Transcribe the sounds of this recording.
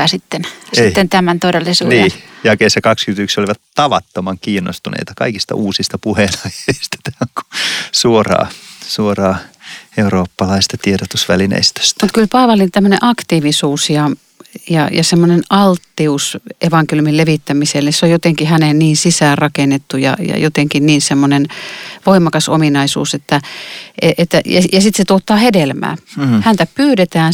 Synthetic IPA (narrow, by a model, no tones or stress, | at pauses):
ɑsit̪ːenseiitːent̪æmænt̪odelːisuːnijækeisːækɑkskyt̪yksoliʋɑt̪t̪ɑʋɑ̰t̪ːomɑŋkiːnːo̰st̪unḛˑit̪ɑkɑ̰ikist̪ɑ̰ʔuːsist̪ɑpuhenɑjeist̪ɑ̥t̪æoŋku̥suorɑ̰ːsuorɑːeuɾoːpːɑlɑist̪ɑt̪ieɾot̪usʋælinḛst̪ø̥st̪mut̪kylpɑːʋɑlint̪æmːønḛʔɑkt̪iːʋisuːsjɑ | jɑ̰jɑ̰semːonenɑlt̪ːiusʔeʋɑŋkeljumileʋit̪ːæmiselːeseojot̪eŋkihæneˑnniːnsisæːrɑkenːet̪ːujɑ̰jɑ̰jot̪eŋkinniːnsemːonenʋoimˑɑkɑso̰minɑisṵːset̪ːæeʔet̪ːæjɑjɑsit̪set̪uot̪ːˑɑːhedelmæ̰ːhænt̪æpyːɾet̪æːn